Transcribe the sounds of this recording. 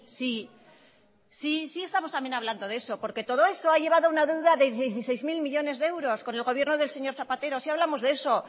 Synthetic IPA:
si | sisie̞st̪amo̞st̪ambje̞naβland̪o̞ðe̞sopo̞ɾke̞t̪o̞ðo̞e̞so̞aʝe̞β̞aðo̞unaðewðaðe̞ðjejeθise̞jzmilmiʎo̞ne̞zðee̞wɾo̞sko̞ne̞lɣo̞β̞je̞ɾnoðe̞lse̞ɲo̞ɾθapat̪e̞ɾo̞siaβlamo̞zðe̞so̞

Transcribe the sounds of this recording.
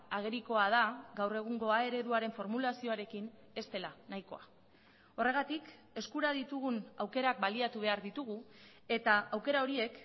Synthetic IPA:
aɣ̞e̞ɾiko̞að̞aɡawre̞ɣ̞uŋɡo̞ae̞ɾe̞ðuaɾe̞ɱfo̞ɾmulasio̞aɾe̞kin | e̞st̪e̞lanajko̞a | o̞re̞ɣ̞at̪ik | e̞skuɾaðit̪uɣ̞unawke̞ɾak̚baliat̪uβ̞e̞aɾðit̪uɣu | e̞t̪aːwke̞ɾao̞ɾie̞k

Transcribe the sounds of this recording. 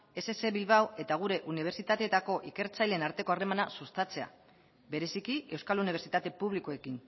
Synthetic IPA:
e̞sese̞βilβawe̞t̪aɣ̞uɾe̞ʔuniβ̞e̞ɾt͡sit̪at̪et̪ako̞ʔike̞ɾt͡sajle̞naɾt̪e̞ko̞are̞manasust̪at͡se̞a̰ | be̞ɾe̞sikie̞wskaluniβe̞ɾt͡sit̪at̪e̞puβ̞likoe̞kin

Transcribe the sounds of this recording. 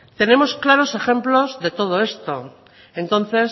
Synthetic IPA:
t̪e̞nẽ̞mo̞sklaɾo̞se̞xe̞mplo̞zðe̞t̪o̞ð̞oe̞st̪o̞ | e̞nt̪o̞n̟θe̞s

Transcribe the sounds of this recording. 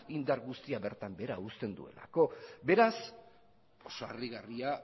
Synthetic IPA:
ind̪aɾɣust̪iaβe̞ɾt̪ambe̞ɾaust̪e̞nd̪ṵe̞̰la̰ko̞be̞ɾas | osoariɣaria

